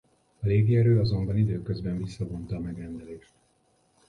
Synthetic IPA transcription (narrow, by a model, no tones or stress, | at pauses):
ɒleːɡiɛɾøːɒzo̞mbɒnid̪øːkø̞zbɛɱvisːɒbont̪ɒːmɛɡrɛnd̪ɛleːʃt̪̚